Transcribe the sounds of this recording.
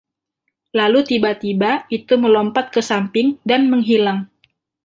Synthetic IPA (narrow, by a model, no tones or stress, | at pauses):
lalut̪ibat̪ibait̪uməlɔmpat̪̚kəsampɪŋdanməŋɦilaŋ